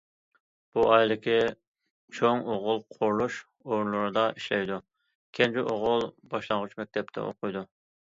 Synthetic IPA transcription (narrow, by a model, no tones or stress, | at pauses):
b̥uʔɑjlˠɪkʲʰi | t͡ʃʰoŋoʁʊlˠqʰoɾlˠuʃ | oɾnlˠuɾɨd̪ɑʔiʃlɛjd̪u | kʲʰɛnd͡ʒiʔoʁʊlˠbɑʃlˠɑŋʁʊt͡ʃmɛk̚ʲt̪ʰɛp̚t̪ʰɛ̰ʔo̰qʰʊjd̪u